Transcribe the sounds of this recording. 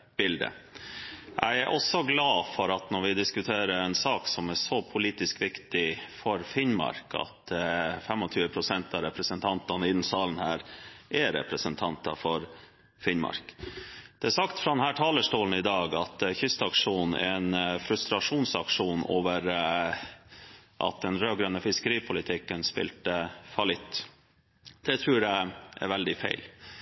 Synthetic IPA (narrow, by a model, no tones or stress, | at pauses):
b̥ɪld̪ə̰ | ʔæ̰ɪæɾʔɔsɔɡlɑːfɔɾɑt̪nɔɾʋɪd̪ɪskʉt̪ʰeːɾəɾɛnsɑːksɔmæsɔpʰʊliːt̪ɪskʋɪkt̪ɪfɔɾfɪnmɑ̰ɾkʰɑ̰t̪fɛmɔt̪ʰyːʋəpʰɾʊsɛnt̪ɑɾɛpɾəsənt̪ʰɑnt̪ɑnɪnn̩sɑːlən̩hæːɾʔɛɾɛ̰pɾəsənt̪ʰɑnt̪ɑfɔɾ | fɪnmɑ̰ɾkd̪̥ɛæsɑkt̪fɾɑd̪ɛnhæːʈʰɑːləʂʈoːln̩ɪd̪ɑːɡɑt̪çʏst̪ɑkʂuːn̩̰ɛnfɾʉst̪ɾɑʂuːnsɑkʂuːnoːʋəɾ | ʔɑ̰t̪̚d̪ɛnɾøːɡɾœnːəfɪskəɾiːpʰʊlɪt̪ʰɪkːənspɪ̰lt̪əfɑlɪt̪ː | d̪̥ɛt̪ʰɾʉːɾjæɪʔɛ̰ɾʋɛld̪ɪfḛɪl